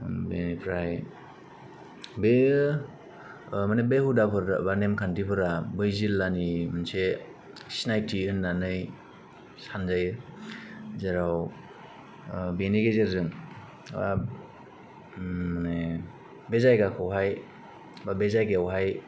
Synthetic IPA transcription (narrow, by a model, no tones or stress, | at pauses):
benipʰɾaj | be | manebehudapʰɯɾbanemkʰandipʰɯɾabɯjzilːanimɯnse | sinajtʰiɯnːanɯj | sanzaj | zaɾaw | beniɡezeɾzɯŋ | ba | mane | bezajɡakʰɯwɦaj | babezajɡeawɦaj